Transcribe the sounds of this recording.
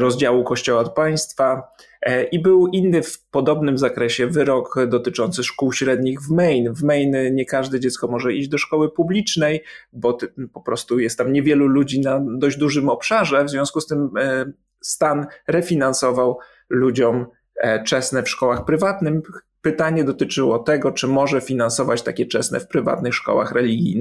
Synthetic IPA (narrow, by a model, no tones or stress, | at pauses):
ɾɔzd͡ʑawukɔɕt͡ɕɔwaɔt̪paj̃st̪fa | ibɘwinːɘfpɔd̪ɔbnɘmzakɾɛɕɛvɘɾɔkd̪ɔt̪ɘt͡ʂɔnt̪sɘʂkuwɕɾɛd̪ɲiɣvmɛjnvmɛjnɲɛkaʐd̪ɛd͡ʑɛt̪skɔmɔʐɛid͡ʑd̪ɔʂkɔwɘpublʲit͡ʂnɛjbɔpɔpɾɔst̪ujɛst̪ːamɲɛvʲjɛlulud͡ʑinad̪ɔʑd͡ʑd̪uʐɘmɔpʂaʐɛvzvʲjɔ̃skust̪ɘm | st̪anɾɛfʲinansɔvaw | lud͡ʑɔm | t͡ʂɛsnɛfʂkɔwaxpɾɘvat̪nɘm | pɘt̪aɲɛd̪ɔt̪ɘt͡ʂɘwɔt̪ɛɡɔt͡ʂɘmɔʐɛfʲinansɔvat͡ɕt̪akʲɛt͡ʂɛsnɛ̰fpɾɘva̰t̪nɘxʂkɔ̰wa̰xɾɛlʲiɡʲḭn